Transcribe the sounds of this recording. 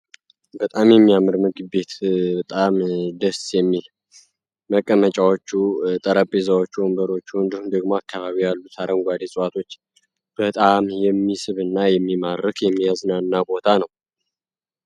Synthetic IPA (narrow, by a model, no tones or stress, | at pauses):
bət̪ʼamjɛmːijamɨɾmɨɡɨbe̞t̪bət̪ʼamd̪əsjɛmːil | məkʼːəmət͡ʃʼawot͡ʃːut̪ʼəɾəpʼːezawo̞t͡ʃːuɔmbəɾo̞t͡ʃːnd̪əhumd̪əɡmoakʰːaβaβijalːut̪ʰaɾəŋɡʷad̪esʼəwat̪ʰo̞t͡ʃː | b̥ət̪ʼamjɛmːisɨβɨnːajɛmːimaɾkjɛmːijaznaɨnːabo̞t̪ʰanəw